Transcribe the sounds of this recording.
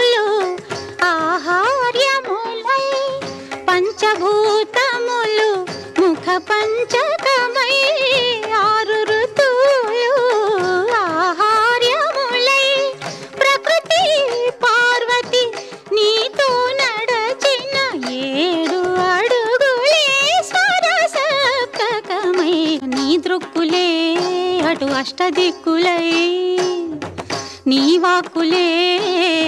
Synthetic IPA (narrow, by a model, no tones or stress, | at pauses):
lu | aːɦaɾjɐmulɐj | pɐɲt͡ʃɐbʱuːt̪ɐmulu | mukʰɐpɐɲt͡ʃɐkɐmɐj | aːɾuɾut̪ulu | aːɦaːɾjɐmulɐj | pɾɐkɾut̪ipaːɾʋɐt̪i | niːt̪onɐɽɐt͡ʃinːɐeːɽuɐɽuɡulesʋɐɾɐsɐp̚t̪ɐkɐmɐjniːd̪ɾukːule | ɐʈuɐʂʈɐd̪ikːulɐj | niːʋaːkule